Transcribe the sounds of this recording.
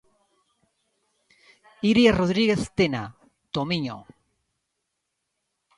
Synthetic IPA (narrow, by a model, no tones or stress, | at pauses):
iɾjaroðɾiɣeθt̪ena̰ | t̪omiɲo̰